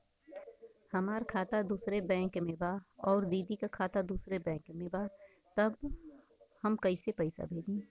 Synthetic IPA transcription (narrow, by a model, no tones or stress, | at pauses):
hɐmaːɾkʰaːt̪ad̪uːsɾebɛ̃ːŋkmẽbaɔːɾd̪iːd̪ikakʰaːt̪ad̪uːsɾebɛ̃ːkmẽbaː | t̪ɐb | hɐmkɐisepɐɪsa̰bʱeːd͡ʒĩː